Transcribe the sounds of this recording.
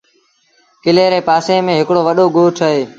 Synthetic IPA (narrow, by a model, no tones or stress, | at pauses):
kɪleːɾeːpaːsẽːmẽːɦɪkɽoːʋəɗoːɡoːʈʰaːɦeː